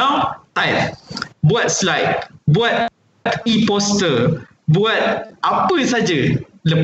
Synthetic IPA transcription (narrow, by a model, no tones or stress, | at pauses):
awt̪ajt̚buat̪̚slajt̪̚buat̪̚ | t̪ipɔst̪ə | buat̪̚ʔapəsad͡ʒaləp